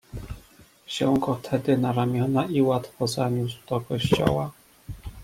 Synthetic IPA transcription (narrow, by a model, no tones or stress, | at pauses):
ɕɛw̃ɡɔt̪ʰɛd̪ɘnaɾamʲjɔnaiwat̪fɔzaɲʲuswd̪̥ɔkɔɕt͡ɕɔ̰wa